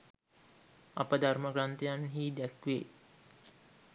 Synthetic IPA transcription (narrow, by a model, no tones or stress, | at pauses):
ɐ̰pəd̪ʱarməkɾant̪ejanɦiːd̪ækʋe